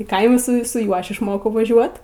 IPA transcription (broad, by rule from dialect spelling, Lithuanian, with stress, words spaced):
ɪ ˈkɐɪmʊ ˈsʊ sʊ ˈjuɔ ˈɐʃ ɪʃˈmoːkɐʊ ʋɐˈʒʲuɔt